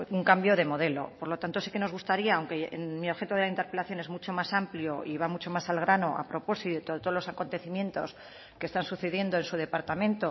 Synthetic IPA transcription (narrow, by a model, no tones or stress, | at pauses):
uŋkambjo̞ð̞e̞mo̞ð̞e̞lo̰po̞ɾlo̞t̪ant̪oseke̞no̞zɣ̞ust̪aɾiaːwŋkemioxe̞t̪oðelaint̪e̞ɾpe̞laθjo̞ne̞zmut͡ʃo̞masampljo̞iβamut͡ʃo̞masalɣ̞ɾano̞ʔa̰pɾo̞po̞sit̪ot̪ot̪lo̞sako̞nt̪e̞θimjẽ̞nt̪o̞s | ke̞st̪ansuθe̞ðje̞nd̪o̞ensuðe̞paɾt̪amẽnt̪o